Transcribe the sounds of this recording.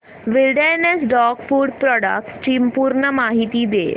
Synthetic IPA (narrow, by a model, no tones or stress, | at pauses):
ʋɪlɖenesɖɔːkpuːɖpɾɔːɖə̰k̚ʈst͡ʃiːmpuːɾɳəmaːɦit̪id̪ḛː